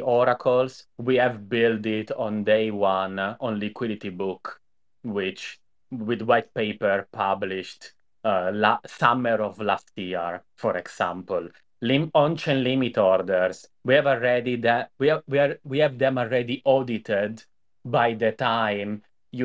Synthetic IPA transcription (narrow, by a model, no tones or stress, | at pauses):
ɔɾakʰəlswiɛvbɪld̪ɪt̪ɔ̃nd̪eɪwãnɔ̃nlikwid̪it̪ibuk | wɪt͡ʃ | wid̪wajt̪̚peɪpəɹpʰabliʃt | lasaməɾɔvlast̪jiəɹfɔɾɛksã̰mpəl | limɔ̃nt͡ʃɛ̃nlimit̪ɔɾd̪əɹswiɛvəɛd̪id̪ɛwiwiwiɛvd̪ɛ̃mɔlɹɛd̪iʔɔd̪it̪ɛd̪ | bajd̪ət̪ajm | j